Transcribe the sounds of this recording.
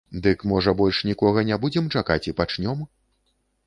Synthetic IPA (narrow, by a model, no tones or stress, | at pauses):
d̪ɨkmɔʐɐbɔlʲʂnʲikɔɣɐnʲabud͡zʲɛmt͡ʂakat͡sʲipat͡ʂnʲɔm